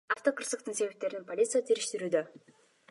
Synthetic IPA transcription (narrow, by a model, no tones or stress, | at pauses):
aft̪o̞qʰəɾsəqt̪əɴse̞vep̚t̪e̞ɾɪnɪŋpʰo̞lʲit̪sɨjat̪ʰeɾɪʃt̪ɪɾud̪ɪ